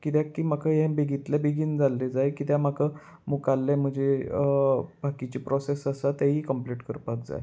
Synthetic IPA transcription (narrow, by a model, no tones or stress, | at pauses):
kit̪jakiːm̤akʰəɦẽbeɡʱit̪lɛbeɡiːnd͡zalːed͡zajkit̪jamakə | mukalːem̤əɳd͡ze | bʱakit͡ɕipɾɔsesəsat̪aɦiːkəmpliʈkəɾpak̚d͡za̰j